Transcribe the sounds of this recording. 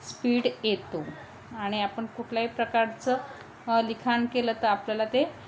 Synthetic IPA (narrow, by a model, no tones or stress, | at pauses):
spiːɽjet̪o | aɽ̃iapəɳkuʈʰljaɦipɾəkaɾt͡sə | likʰankelət̪əapljalat̪e